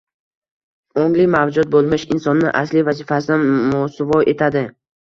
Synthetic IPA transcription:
oŋlɪmavd͡ʒʊd̪̚bolˠmɪʃɪnsɒnːɪʔa̰slɪvazifasɪd̪anmosʊvɒʔe̞t̪ʰad̪ɪ

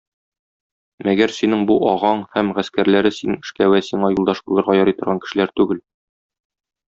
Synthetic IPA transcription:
æɡæɾsinɘŋbuʔɒʁɑɴhæmʁæskæɾlæɾɘsinɘɘ̆ʃkæwæsiɴɑjulˠd̪ɑʃbulˠɤ̆ɾʁɑjɒɾɤjt̪ŏɾʁɑŋkɘ̥̆ʃɘ̆læɾt̪ʉɡɘl

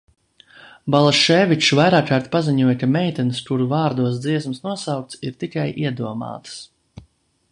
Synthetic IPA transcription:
balˠaʃɛːvit͡ʃvajɾaːkaːɾt̪paziɲuɔjkamɛjt̪ɛnst̪uɾuvaːɾd̪uɔsd̪ziɛsmsnuɔsawk̚t̪siɾt̪ikajʔiɛd̪uɔma̰ːt̪s

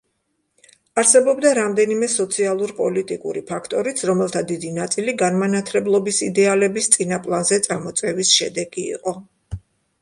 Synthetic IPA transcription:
aɾsɛbɔbd̪aɾamd̪ɛnimɛsɔt̪sʰialˠuɾpʼɔlit̪ʼikʼṵɾipʰakʰt̪ʼɔɾit̪sʰɾɔmɛlˠt̪ʰad̪id̪inat̪sʼiliɡanmanat̪ʰlɛblˠɔbisid̪ɛalɛbist̪sʼinapʼlˠanzɛt̪sʼamɔt̪sʼɛvisʃɛd̪ɛɡḭːqʼɔ

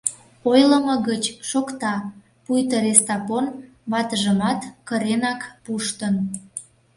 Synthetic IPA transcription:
ojləməɣət͡ɕʃokt̪ɑ | pujt̪əɾest̪ɑpon | βɑt̪əʒəmɑt̪kəɾenɑkpuʃt̪ən

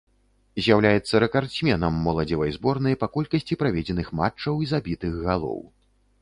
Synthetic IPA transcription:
zʲjawlʲajɛt̪sːɐɾɛkarsʲmʲɛnɐmːɔlˠɐd͡zʲɛvɐjzbɔrnɨjɐpakɔlʲkɐsʲt͡sʲipɾavʲɛd͡zʲɛnɨxma̰t͡ʂːɐwizabʲit̪ɨɣɣalˠɔ̰w

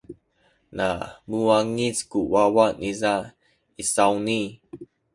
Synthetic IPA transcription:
na̰muaŋiskuwawaniza | isawni

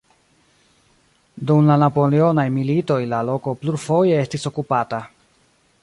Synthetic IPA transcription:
dumlanapo̞leo̞najmilito̞jlalo̞ko̞pluɾfo̞je̞estiso̞kupata

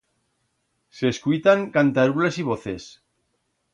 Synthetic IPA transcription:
seːskujt̪aŋkant̪aɾule̞siβ̞oθe̞s

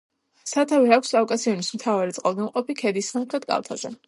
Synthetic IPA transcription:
sat̪ʰavɛɾakʷʰsʼakʼasiɔnismt̪ʰavaɾit̪sʼqʼalˠɡamqʼɔpikʰɛd̪isːaχɾɛt̪̚kʼa̰lˠt̪ʰazɛ̰

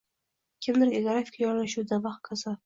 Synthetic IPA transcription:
kʲʰɪmd̪ɪɾʲeɡɾat̪ʲɪ̥kʰajɒɾlaʃuwd̪avaχkʰaza

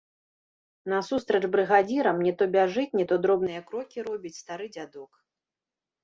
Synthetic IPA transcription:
nɐsust̪ɾɐʐbɾɨɣad͡zʲiɾɐmnʲɛt̪ɔbʲaʐɨt͡sʲnʲɛt̪ɔd̪ɾɔbnɨjɐkɾɔkʲiɾɔbʲit͡sʲst̪aɾɨd͡zʲad̪ɔk

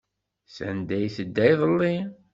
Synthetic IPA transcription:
sæ̰nd̪æjθəd̪ːæjðˤəlːi

